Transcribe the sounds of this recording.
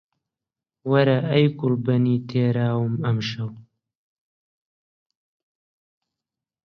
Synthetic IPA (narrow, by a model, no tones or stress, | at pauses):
wɐɾaɐjkʊlbɐniːt̪ʰeːɾaːwɨmɐmʃɐw